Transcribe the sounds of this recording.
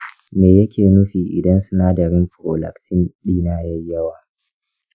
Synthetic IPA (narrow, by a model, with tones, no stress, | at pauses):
meː˨jɐ˦kʲʰeː˨nʊ˦ɸiː˨ʔɪ̰˨dɐ˦nsʊ˦naː˦dɐ˨ɾɪ˦mɸɾo̰ː˨lɐ̰˨ktʰɪ˦nɗiː˦naː˦jɐ˦jːɐ˦waː˨